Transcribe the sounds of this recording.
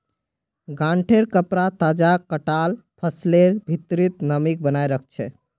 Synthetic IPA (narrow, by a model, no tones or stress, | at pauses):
ɡãɳʈʰeɾkəpɾat̪ad͡ʒakːəʈalpʰəsleɾbʱit̪ɾit̪nəmik̚bənajɾəkʰt͡ʃʰɛ